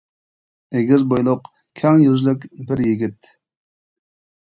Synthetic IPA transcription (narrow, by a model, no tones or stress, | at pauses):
eɡʲizbojlˠʊq | kʲʰæŋjyzlykʲbɪɾjiɡʲit̪